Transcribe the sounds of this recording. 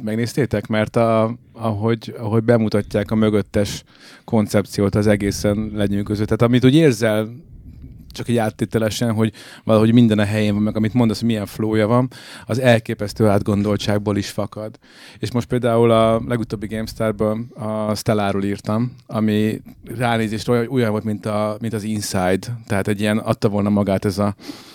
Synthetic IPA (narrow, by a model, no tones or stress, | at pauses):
mɛɡneːst̪eːt̪ɛkmɛrt̪ɒɒɦo̞ɟɒɦo̞ɟbɛmut̪ɒcːaːkɒmøɡøt̪ːɛʃ | ko̞nt̪sɛp̚t̪sijoːt̪ɒzɛɡeːsɛnlɛɲyːkøzøt̪ːaːt̪ɒmit̪uːɟeːrzɛl | t͡ʃɒkɛɟaːt̪ːeːt̪ɛlɛʃɛnɦo̞ɟ | vɒlɒɦo̞ɟmind̪ɛnɒɦɛjeːɱvɒmːɛɡɒmit̪mod̪ɒshoɟmijɛɱfloːjɒvɒnɒzɛlkeːpɛst̪øːaːd̪ɡo̞nd̪o̞lt͡ʃaːɡ̚boːliʃfɒkɒd̪ | eːʃmo̞ʃt̪peːld̪aːulɒlɛɡut̪oːbːiɡeːmst̪aːrbøːlɒst̪ɛlaːroːliːrt̪ɒmɒmiraːneːzeːʃrɛooujɒɱvo̞lt̪mint̪ɒmint̪ɒzinsajd̪t̪ːɛɦaːt̪ɛɟːiɛnɒ̰t̪ːɒvo̞ːlnɒmɒɡaːt̪ɛzɒ